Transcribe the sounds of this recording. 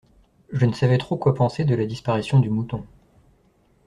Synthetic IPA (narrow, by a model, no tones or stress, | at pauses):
ʒənəsavɛt̪χokwapɑ̃sed̪əlad̪ispaʁisjɔ̃d̪ymut̪ɔ̃